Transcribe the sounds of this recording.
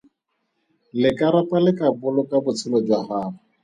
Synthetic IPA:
lɪkʼaɾapʼalɪkʼabʊlʊkʼabʊt͡sʰɪlɔd͡ʒwahaːrʊ

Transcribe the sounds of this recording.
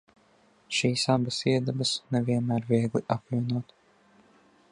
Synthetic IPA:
ʃiːsabɐsiɛd̪abɐsnɛviɛnmæːɾviɛɡlˠiʔapvʲiɛnuɔt̪

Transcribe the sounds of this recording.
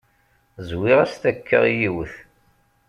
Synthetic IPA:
zwiʁæst̪ækʰːə̰ʁjiwəθ

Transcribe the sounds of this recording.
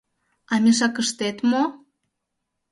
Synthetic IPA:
ɑmʲeʃ̬ɑkəʃt̪et̪mo

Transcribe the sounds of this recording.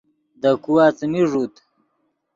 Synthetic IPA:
d̪əkuwat͡smiʐut̪

